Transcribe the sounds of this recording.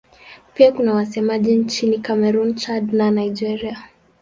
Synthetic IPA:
piakunawasɛmaʄint͡ʃinikamɛɾunt͡ʃadnanajd͡ʒɛɾia

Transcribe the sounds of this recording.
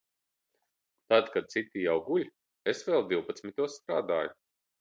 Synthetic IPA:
t̪ad̪kad̪̚t̪sit̪ːijawɡuʎʲ | esvɛlˠd̪iwpat̪smit̪uɔsst̪ɾa̰ːd̪aːju

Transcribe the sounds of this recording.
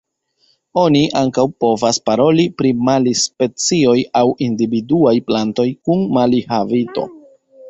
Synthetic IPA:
o̞niʔaŋkawpo̞vaspaɾo̞lipɾimalispe̞t͡sio̞jawindividuajplanto̞jkunmalihavito̞̰

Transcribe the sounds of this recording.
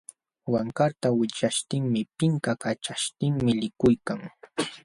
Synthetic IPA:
waŋkaɾt̪awɪt͡ʃaʃt̪ɪŋmɪpɪŋkakat͡ʃaʃt̪ɪŋmɪlɪkʊjkaŋ

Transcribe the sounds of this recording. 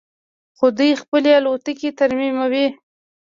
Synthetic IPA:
xod̪ujxpəlealot̪əket̪aɾmimawi

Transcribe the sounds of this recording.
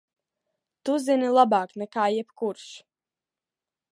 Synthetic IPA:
t̪uzinilˠabaːknɛkaːjɛpkuɾʃ

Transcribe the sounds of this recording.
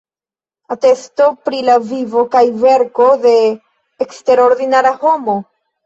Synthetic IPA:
ate̞sto̞pɾilavivo̞kajve̞ɾko̞de̞ː | kste̞ɾo̞ɾdinaɾaho̞mo̞

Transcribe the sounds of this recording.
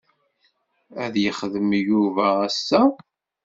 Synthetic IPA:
æðjəχðəmjuvææsːæ

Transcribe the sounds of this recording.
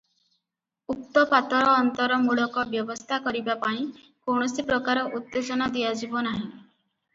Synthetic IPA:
uk̚t̪ɔpat̪ɔɾɔːnt̪ɔɾɔmuɭɔkɔbjɔbɔst̪ʰakɔɾibapãĩ | koɽ̃ɔsipɾɔkaɾɔʔut̪ːed͡ʒɔnad̪iad͡ʒibɔnaɦĩ

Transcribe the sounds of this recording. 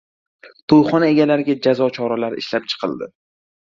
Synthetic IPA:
t̪ʰojχɒnae̞ɡʲalaɾɪɡʲad͡ʒazɒt͡ʃʰɒɾalaɾɪ̰ʃlap̚t͡ʃʰɨ̥qʰɨlˠd̪ɪ

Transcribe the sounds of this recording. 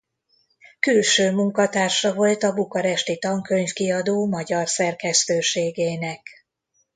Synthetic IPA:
kylʃøːmuŋkɒt̪aːrʃɒvo̞lt̪ɒbukɒɾɛʃt̪it̪ɒŋkø̞ɲfkiɒd̪oːmɒɟɒrsɛrkɛst̪øːʃeːɡeːnɛk

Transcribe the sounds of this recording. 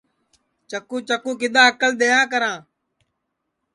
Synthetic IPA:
t͡ʃəkũːt͡ʃəkũːkɪɗ̪aːɦəkəlɗ̪eːjãːk̬əɾãː

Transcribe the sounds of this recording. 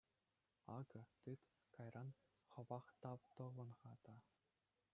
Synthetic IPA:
ɑ̰ɡɤ̆t̪ɯt̪ | kɑjrʔɑn | χɤ̆ʋɑχt̪ɑpt̪ɤ̆ʁɤ̆nʁɑd̪ɑ

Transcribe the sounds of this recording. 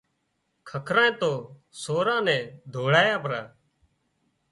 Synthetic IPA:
kʰəkʰɾãːẽːt̪oː | soːɾãːnɛ̃ːd̪ʱoːɽaːjaːpɾaː

